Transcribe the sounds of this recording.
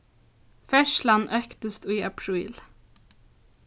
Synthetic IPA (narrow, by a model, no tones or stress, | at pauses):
fɛʂlanʔœkt̪əst̪uːa̰pʰɾuːl